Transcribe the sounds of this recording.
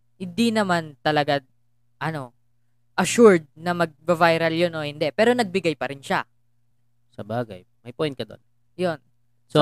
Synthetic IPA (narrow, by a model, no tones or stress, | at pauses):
hɪnd̪inɐmant̪ɐlɐɡa | ʔɐno̞ | ʔɐʃuɹd̪̚nɐmɐɡ̚bɐvajɾɐljonʔo̞hɪnd̪ɛpɛːɾo̞nɐɡ̚bɪɡajpɐɾɪnʃa | sɐbaːɡɐ̰j | mɐjpojnt̪̚kɐd̪o̰n | jon | so